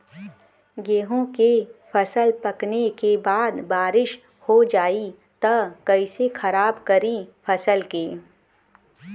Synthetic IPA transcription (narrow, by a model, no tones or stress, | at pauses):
ɡeːɦõkefʰɐsəlpɐknekebaːd̪baːɾɪʃ | hod͡ʒaːi | t̪ɐkɐisexʰɐɾaːbkɐɾifʰɐsəlkeː